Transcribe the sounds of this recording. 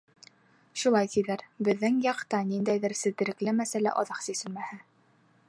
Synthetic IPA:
ʃulˠɑjt̪iðæɾbɘ̆ðːɘŋjɑqt̪ɑnind̪æjðɘɾsɘ̆ðd̪ɘ̆ɾɘ̆klɘmæsælæ̰ʔɒðɑqsisɘlmæhɘ

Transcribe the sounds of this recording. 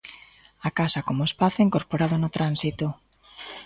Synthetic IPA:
akasakomoespaθoiŋkoɾpoɾaðonot̪ɾansit̪o

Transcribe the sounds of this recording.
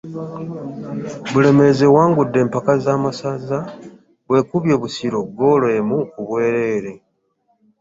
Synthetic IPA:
βule̞me̞zewaːŋɡudːe̞ːmpakazaːmasaza | βwe̞ːkuβjo̞ːβusiɾo̞ɡːo̞ːlwe̞ːmukuβwe̞ːɾe̞ːɾe̞

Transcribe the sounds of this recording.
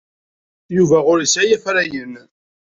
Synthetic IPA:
juvæʁʊɾəsæjæfɾæjən

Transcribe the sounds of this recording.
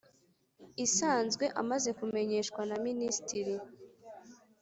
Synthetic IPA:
isaːnzɡwe̞ʔamaze̞kume̞ɲe̞ʃkwanaministiɾi

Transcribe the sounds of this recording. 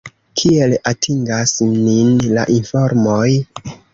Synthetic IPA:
kʰie̞latʰiŋɡasminla̰ʔinfo̞ɾmo̞j

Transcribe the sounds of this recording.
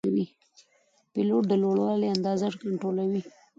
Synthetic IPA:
wi | piloʈ̪̚d̪əloɽwɑleand̪ɑzaʐkaɳʈɾolawi

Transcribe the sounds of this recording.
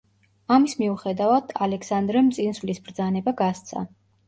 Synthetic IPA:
amismiuχɛd̪avad̪̥alɛksand̪ɾɛmt̪sʼinsvlisbɾd̪zanɛbaɡast̪sʰa̰

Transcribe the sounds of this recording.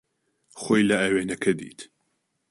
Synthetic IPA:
xoːjlɐʔɐweːnɐkʰɐd̪ḭːt̪ʰ

